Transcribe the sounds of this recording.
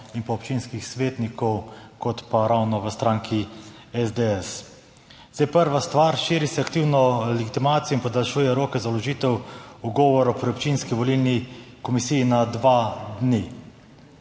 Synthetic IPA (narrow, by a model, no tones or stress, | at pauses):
inpɔːpt͡ʃiːnskixsʋeːt̪nikɔwkɔt̪paɾawnɔʋəst̪ɾaːŋkʰi | ɛzd̪eɛs | z̥d̪ejpəɾʋast̪ʋaːɾʃiːɾisɛakt̪iːwnɔlɛɡit̪imaːt̪sijɔinpɔd̪alʃuːjɛɾoːkɛzalɔʒiːt̪ɛwuɡɔːʋɔɾɔpɾiɔpt͡ʃinskiʋɔlilnikɔmisijːnad̪ʋad̪ni